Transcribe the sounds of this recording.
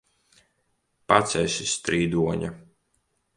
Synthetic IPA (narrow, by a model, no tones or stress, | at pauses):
pat̪sʲɛjsist̪ɾiːd̪uɔɲa̰